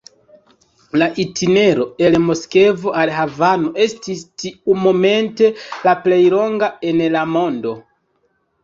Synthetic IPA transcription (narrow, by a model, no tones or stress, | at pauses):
laʔitʰine̞ɾo̞e̞lmo̞ske̞vo̞ʔalɦavano̞ʔe̞stistiumo̞me̞nte̞laple̞jlo̞ŋɡae̞nlamo̞ndo̞